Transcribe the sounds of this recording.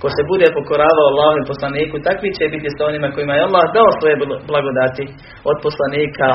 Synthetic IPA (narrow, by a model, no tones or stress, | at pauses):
ko̞se̞bud̪e̞po̞ko̞ɾaːʋaoalˠːaːɦomepo̞slˠaniːkut̪akʋit͡ɕebit̪isao̞nimako̞jimajealˠːaːhd̪aosʋo̞je̞blˠaɡo̞d̪at̪i | o̞d̪̚po̞slˠaniːkʰa